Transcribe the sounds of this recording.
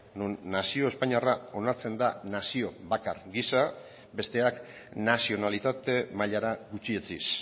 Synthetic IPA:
nunːasio̞e̞spaɲiarao̞naɾt͡se̞nd̪anasio̞βakaɾɡisa | be̞st̪e̞ak | nasio̞nalit̪at̪e̞maʎaɾaɡut͡ʃiet͡sis

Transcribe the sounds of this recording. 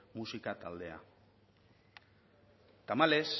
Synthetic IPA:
musikat̪ald̪e̞a̰ | t̪amale̞s

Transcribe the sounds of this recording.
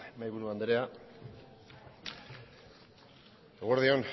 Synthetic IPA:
majβuɾuand̪ɾea | ɣoɾðion

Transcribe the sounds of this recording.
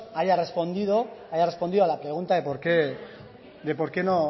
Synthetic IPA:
aʝare̞spo̞nd̪iðo̞ajarespond̪iðoalapɾe̞ɣ̞unt̪aðepoɾke | d̪e̞po̞ɾke̞no

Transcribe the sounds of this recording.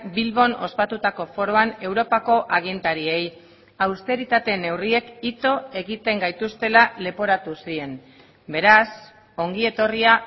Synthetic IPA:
bilβo̞no̞spat̪ut̪ako̞fo̞ɾo̞ane̞wɾo̞pako̞ʔaɣ̞int̪aɾie̞j | awst̪e̞ɾit̪at̪e̞ne̞wrie̞kit̪o̞e̞ɣit̪e̞ŋɡajt̪ust̪e̞lale̞po̞ɾat̪usie̞n | be̞ɾas | o̞ŋɡie̞t̪o̞ria

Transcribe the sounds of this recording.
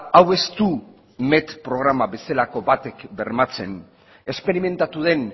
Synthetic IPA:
awe̞st̪u | me̞t̪pɾo̞ɣ̞ɾamabe̞selako̞βat̪e̞kbe̞ɾmat͡se̞n | e̞spe̞ɾime̞nt̪at̪uðe̞n

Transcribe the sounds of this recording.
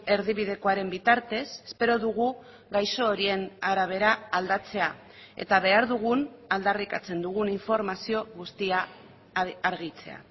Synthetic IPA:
e̞ɾðiβiðe̞ko̞aɾe̞mbit̪aɾt̪e̞se̥spe̞ɾo̞ðuɣ̞u | ɡajso̞ːɾie̞naɾaβ̞e̞ɾaːld̪at͡se̞a | e̞̰t̪aβe̞aɾðuɣ̞unald̪arikat͡se̞nd̪uɣ̞uniɱfo̞ɾmasio̞ɣust̪iaː | ɾɣit͡se̞̰a̰

